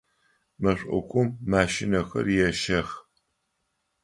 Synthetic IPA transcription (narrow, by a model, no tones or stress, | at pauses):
mɐɕʷʼʊ̰kʷʼʊmːaːʃɪnɐxɐ̰rjɛʃɐx